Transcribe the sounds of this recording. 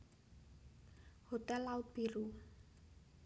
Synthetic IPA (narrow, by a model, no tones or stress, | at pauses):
hot̪ɛlːaut̪̚b̥iɾu